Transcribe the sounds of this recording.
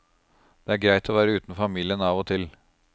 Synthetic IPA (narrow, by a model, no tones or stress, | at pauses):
d̪̥ɛæɾɡɾæɪt̪ʰɔʋæːɾəʉːt̪n̩fɑmiːlɪənɑːʋot̪ʰɪl